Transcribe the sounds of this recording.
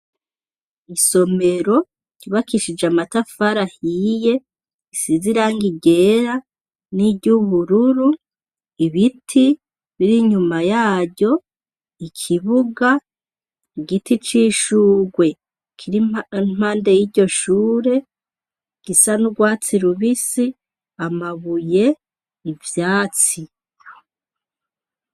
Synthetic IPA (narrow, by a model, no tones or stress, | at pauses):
iso̞me̞ɾo̞ | ɟiβakiʃid͡ʒamatafaɾahije̞ | isiziɾaːŋɡiɟe̞ɾa | nibɟuβuɾuɾu | iβitʰi | βiɾiɲumajaːbɟo̞ | ikʰiβuɡa | iɡitit͡ʃiʃuːɡwe̞ | kʰiɾinm̥aːnde̞jiɟo̞ʃuːɾe̞ | ɡ̥isanuɡwaːt͡siɾuβisi | amaβuje̞ | ivjaːt͡si